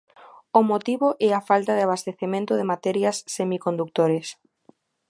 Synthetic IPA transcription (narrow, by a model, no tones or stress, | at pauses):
ʊmot̪iβoʔɛafalt̪aðɪaβ̞ast̪eθemẽnt̪ʊðɪmat̪ɛɾjasːemikond̪uk̚t̪oɾes